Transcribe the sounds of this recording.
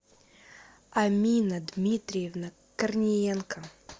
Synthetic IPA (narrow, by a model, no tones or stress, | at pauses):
amʲinɐd̪mʲit̪ɾʲɪjɛvnɐ | kɐrnʲɪjɛnkɐ